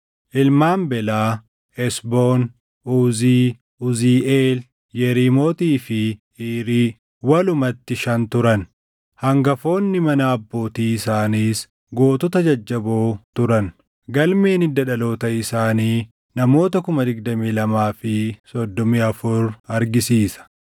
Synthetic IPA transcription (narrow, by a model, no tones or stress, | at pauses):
ʔɪlmaːmbɛlaː | ɛsboːn | uːziː | ʊziːeːl | jɛɾiːmo̞ːt̪iːfɪ | iːɾiː | wɐlʊmɐt̪ːɪʃɐnt̪ʊɾɐn | hɐŋɡɐfo̞ːnːɪmɐnɐːbːo̞ːt̪iːɪsaːniːs | ɡo̞ːt̪ɔt̪ɐd͡ʒɐd͡ʒːɐboːt̪ʊɾɐn | ɡɐlmeːnɪd̪ɐᶑɐlo̞ːt̪ɐɪsaːniː | nɐmo̞ːt̪ɐkʊmɐd̪ɪɡ̚d̪ɐmiːlɐmaːfɪsɔd̪ːɔmiːɐfʊɾɐɾɡɪsiːsɐ̥